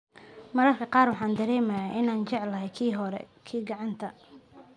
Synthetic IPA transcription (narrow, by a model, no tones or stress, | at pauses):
mɐɾɐrkʰɐqɑːrwɑħɑːnd̪ɐɾɛːmɐjaːʔɪnaːnt͡ʃɛʕlɐɦɛjkʰiːɦɔɾɛ̰kʰiːɡɑʕɑnt̪ʰɐ